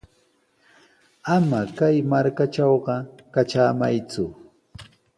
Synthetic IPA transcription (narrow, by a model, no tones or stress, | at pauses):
amakajmaɾkat͡ʃɑwɢɑkat͡ʃaːmajt͡sʊ